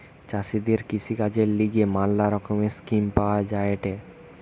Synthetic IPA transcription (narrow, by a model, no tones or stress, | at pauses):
t͡ɕasid̪eɾkisʰikad͡ʑeɾliɡemalːaɾɔkomeskimpaoad͡ʑaeʈe